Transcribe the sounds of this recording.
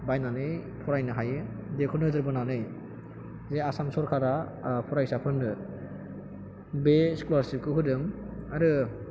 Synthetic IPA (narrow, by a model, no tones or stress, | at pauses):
bajnanɯjpʰɔɾajnɯɦajɯdekʰɔnɯzɯɾbɯnanɯj | zeasamsɔɾkʰaɾapʰɔɾajsapʰɯndɯ | beskulaɾsip̚kʰɯɦɯdɯmaɾɯ